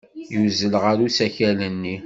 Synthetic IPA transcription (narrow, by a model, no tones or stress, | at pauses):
juzəlʁəɾusæçælənːi